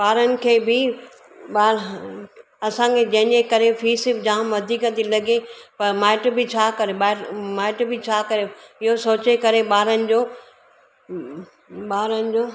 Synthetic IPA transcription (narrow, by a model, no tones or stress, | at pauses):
baːɾənɪ̆kʰeːbɪ | ɓaːɾ | ɐsãkʰed͡ʑɐ̃ɦɪ̃ɲekɐɾefʰiːsɪpd͡ʑãːmʋɐd̪ʱiːkət̪ilɐɡepɐɾmaːɪʈbɪt͡ɕʰaːkɐɾeɓaːɾmaːɪʈbɪt͡ɕʰaːkɐɾeɪɦosoːt͡ɕekɐɾeɓaːɾənɪ̆d͡ʑoː | ɓaːɾənɪ̆d͡ʑoː